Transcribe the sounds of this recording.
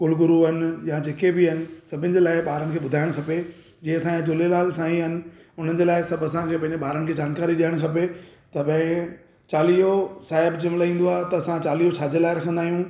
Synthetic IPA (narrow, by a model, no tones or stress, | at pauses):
kʊlɡʊɾuɐnɪ̆jãd͡ʑeːkebɪɦɐnɪ̆sɐbʱɪnɪ̆d͡ʑeːlaːɪɓaːɾənɪ̆kʰeːɓʊd̪ʱaːɪɽ̃kʰɐpe | d͡ʑẽːɐsãjãd͡ʑʊlelaːlsãːĩɦɐnɪ̆ | ʊn̤ənd͡ʑeːlaːɪsɐbɐsãkʰepɐ̃ɦɪ̃d͡ʑeɓaːɾənɪ̆kʰeːd͡ʑaːnkaːɾiɗiːəɽ̃kʰɐpet̪ɐpɐ̃ɪ̃ | t͡ɕaːliːosaːɦɪbd͡ʑɪmlaːĩːn̆d̪oaːɦt̪ɐɐsãt͡ɕaːliːot͡ɕʰaːd͡ʑelaːɪɾɐkʰə̃nd̪aːɦijũː